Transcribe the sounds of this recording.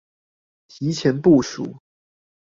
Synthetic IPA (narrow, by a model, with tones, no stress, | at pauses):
t͡ɕi˧˥t͡ɕʰjɛ˧˥npu˥˩ʂṵ˨˩˦